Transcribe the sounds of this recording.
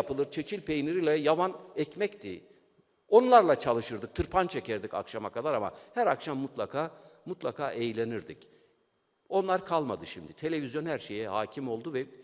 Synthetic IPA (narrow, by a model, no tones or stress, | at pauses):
apɯlˠɯɾt͡ʃʰe̞t͡ʃʰilʲpʰe̞jniɾilʲɛjavanɛcmɛct̪ʰi | o̞nlˠaɾlˠat͡ʃʰalˠɯʃɯɾd̪ɯk̚t̪ʰɯɾpʰant͡ʃʰecɛɾd̪ica̰kʃamakad̪aɾama̰hæɾakʃamːut̪lˠakʰaːmut̪lˠakʰaːʔe̞jlʲe̞niɾd̪ic | o̞nlˠaɾkʰalˠmad̪ɯʃimd̪it̪ʰe̞lʲe̞vizjo̞nhæɾʃe̞jɛhaːcʰimo̞lˠd̪uvɛ